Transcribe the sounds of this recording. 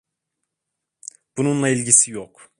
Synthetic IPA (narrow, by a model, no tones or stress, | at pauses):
b̥ununlˠailʲɟisijok